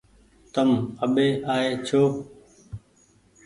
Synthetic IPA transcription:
t̪əməɓeːʔaːeːt͡ʃʰoː

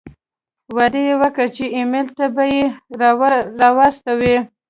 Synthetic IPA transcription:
wad̪ejewəkət͡ʃeimelt̪abaje | ɾɑwɑst̪awi

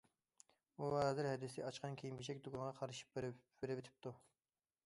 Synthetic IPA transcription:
uɦɑzɪɾhɛd̪ɪst̪ɛɑt͡ʃqɑnkʲʰejimbiʃɛk̚ʲd̪oɡɑnʁɑqʰɑɾɨʃi̥pb̥eɾɪvɪt̪ʰɪ̥p̚t̪u

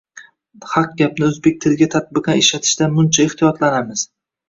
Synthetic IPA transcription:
hɑq̚ɡʲap̚nɪɵzbek̚ʲt̪ʰɪlɪɡʲat̪ʰat̪̚bɪqɑɪʃlat̪ʰɪ̥ʃd̪anmʊnt͡ʃʰaeht̪ijɒt̪lanamɪz̥

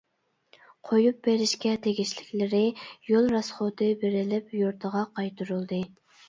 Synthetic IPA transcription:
qʰojup̚beɾɪʃkʲɛt̪ʰeɡʲiʃlɪkʲlɪɾɪjolˠɾɑsχod̪ɨbeɾɪlɪpjoɾt̪ʰəʁɑqʰɑjt̪ʰuɾulˠd̪ɨ

